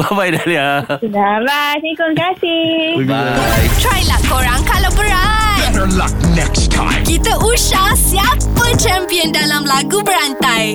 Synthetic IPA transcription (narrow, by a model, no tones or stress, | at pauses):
babajdaliad͡ʒunabat̪ĩkulkasi | tɾajlahkoɾãŋkalawbəɾat̪əla̰k̚nɛkstʰã̰ɪ̃mkit̪əʔuʃahsjapət͡ʃɛ̃mpiəndalamlaɡubəɾant̪aj